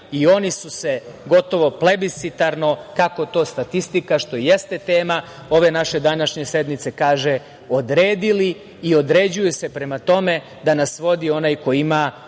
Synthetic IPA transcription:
io̞nisuse̞ɡo̞t̪o̞ʋo̞ple̞bisit̪aɾno̞kako̞t̪o̞ːst̪at̪ist̪ikaʃt̪o̞jest̪e̞t̪eːma | o̞ʋe̞naʃe̞d̪anaʃɲe̞se̞d̪mit̪se̞kaːʒe̞ | o̞d̪ɾeːd̪iliː | o̞d̪ɾe̞ːd͡ʑujuse̞pɾe̞mat̪o̞me̞ | d̪anasʋo̞d̪io̞naːjko̞iima

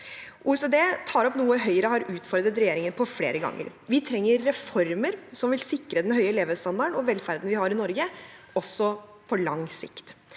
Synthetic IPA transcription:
ʔuːsəd̪eːt̪ʰɑːɾɔpnuːəɦœʏəɾəhɑɾʉːt̪fɔɾd̪ət̪ɾɛjeːɾɪŋənpʰɔflḛːɾəɡɑ̰ŋːə̰ɾʋɪt̪ʰɾɛŋːəɾːɛfɔɾməɾsɔmʋɪlsɪkːɾəd̪ɛnɦœʏəleːʋəst̪ɑnd̪ɑɳɔʋɛlfæɾd̪n̩ʋɪhɑɾɪnɔɾɡə | ɔsːɔpʰɔlɑŋsɪ̰kt̪

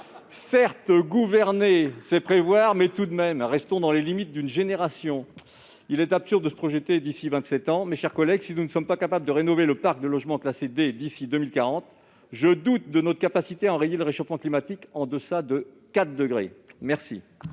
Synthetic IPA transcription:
sɛʁt̪ɡuvɛʁnesɛpχevwaʁmɛt̪ud̪mɛmʁɛst̪ɔ̃d̪ɑ̃lelimit̪̚d̪ynʒeneʁasjɔ̃ | ilɛt̪apsyʁd̪d̪əsə̥pχɔʒət̪ed̪isivɛ̃t̪sɛt̪ɑ̃mɛʃɛʁkɔlɛɡsinunəsɔmpakapabləd̪əʁenɔveləpaʁk̚d̪əlɔʒmɑ̃klased̪ed̪isid̪əmilkaʁɑ̃t̪ | ʒəd̪ut̪̚d̪ənɔt̪χəkapasit̪eaɑ̃ʁejeləʁeʃofmɑ̃klimat̪ikɑ̃d̪əsad̪ə | kat̪d̪əɡʁḛmɛʁsḭ

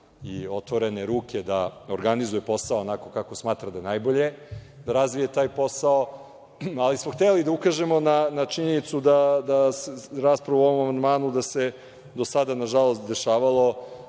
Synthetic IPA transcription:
ḭo̞t̪ʋo̞ɾe̞neɾuːkʲed̪aoɾɡanizujepo̞saoːnako̞kako̞smaːt̪ɾad̪aenajbo̞ʎe̞ | d̪aɾazʋijet̪aːjpo̞sao | alismoxt̪elid̪aukaʒe̞mo̞nanat͡ʃiɲenit̪sud̪ad̪asɾaːspɾaʋuo̞ʋo̞mamand̪maːnud̪ase̞ | d̪osad̪anaʒalˠo̞st̪d̪e̞ʃaːʋalˠo̞

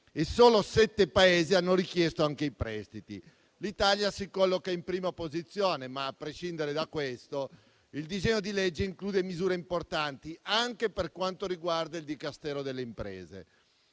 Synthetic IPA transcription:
esoːlosɛt̪ːepaeːzianːoɾikjɛst̪oaŋkeipɾɛst̪it̪ḭ | lit̪aljasikɔlːokaimpɾiːmapozit̪sːjoːnemaːpːɾeʃind̪eɾed̪akwest̪o | ild̪izɛɲːod̪ilɛd͡ʒːeiŋkluːd̪emizuːɾeimport̪ant̪iaŋkeperkwant̪oɾiɡward̪aild̪ikast̪ɛːɾod̪elːeimpɾḛːzḛ

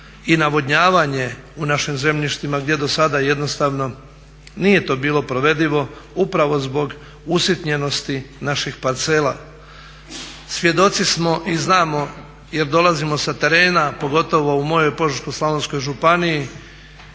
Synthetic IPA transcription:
inaʋo̞d̪ɲaːʋaɲe̞unaʃimze̞mʎiʃt̪imaɡd̪jed̪o̞sad̪aje̞d̪no̞st̪aʋno̞ | nije̞t̪o̞ːbiːlo̞pɾo̞ʋe̞d̪iʋo̞upɾaʋo̞zbo̞ɡ | usit̪ɲe̞no̞st̪inaʃixpaɾt̪se̞ːlˠa̰ | sʋje̞d̪o̞t̪sismo̞ʔiznaːmo̞ | je̞ɾd̪o̞lˠazimo̞sat̪e̞ɾe̞ːnapo̞ɡo̞t̪o̞ʋo̞umo̞jo̞jpo̞ʒɾkoslˠaʋonsko̞jʒupaniji

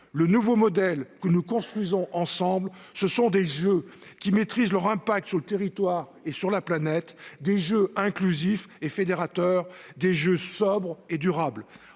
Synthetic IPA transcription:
lənuvomɔd̪ɛlkənukɔ̃st̪χwɥizɔ̃ʔɑ̃sɑ̃blsəsɔ̃d̪eʒøkʲimet̪χizlœʁɛ̃pak̚t̪syʁlət̪eʁit̪waʁesyʁlaplanɛt̪d̪eʒøɛ̃klyzifefed̪eʁat̪œːʁd̪eʒøsɔbʁed̪yʁabl

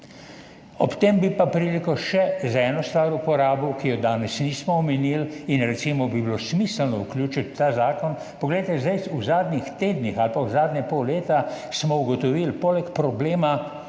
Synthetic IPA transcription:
ɔ̰pt̪embipapɾilikɔʃɛzɛːnɔst̪ʋaːɾupɔɾaːbukijɔd̪aːnɛsniːsmɔɔmɛnilinɾɛsimɔbiblosmisəlnɔuklʲjuːt͡ʃit̪t̪ːazaːkɔn | pɔɡlɛjt̪ɛzd̪ajuzaːd̪nʲixt̪eːd̪nixalpauzaːd̪nʲɛpowleːt̪a | smɔuɡɔt̪ɔʋilpolɛkpɾɔbleːma

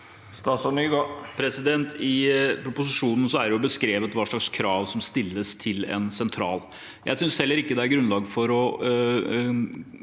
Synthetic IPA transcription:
st̪ɑsɔnyɡopʰɾɛsɪd̪ɛnt̪ʰɪpɾʊpʊs̬ɪʂuːnn̩sɔæɖɛjʊbəskɾeːʋət̪ʋɑːʂɭɑkskʰɾɑːʋsɔmst̪ɪlːəst̪ʰɪlɛ̰nsɛnt̪ʰɾɑ̰ːl | jʔæ̰ɪsʏnshɛlːəɾɪkːəd̪ɛæɾɡɾʉnlɑːɡfɔɾɔ

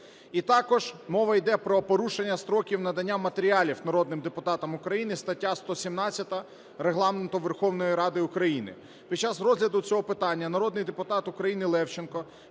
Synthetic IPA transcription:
it̪ɑkɔʒmɔʋɐjd̪ɛpɾɔpɔɾuʃenʲːɐst̪ɾɔkʲiwnɐd̪ɐnʲːamɐt̪eɾʲialʲiwnɐɾɔd̪nɪmd̪epʊt̪ɑt̪ɐmʊkɾɐjinɪst̪ɐtʲːast̪ɔsʲimnɑt͡sʲːɐt̪ɐ | ɾeɦlˠɑment̪ʊʋerxɔwnɔjiɾɑd̪ɪʊkɾɐjinɪ̰ | pʲidt͡ʃazrɔzʲlʲɐd̪ʊt͡sʲɔɦɔpɪt̪ɑnʲːɐnɐɾɔd̪nɪjd̪epʊt̪ɑt̪ʊkɾɐjinɪlˠɛwt͡ʃenkɔ

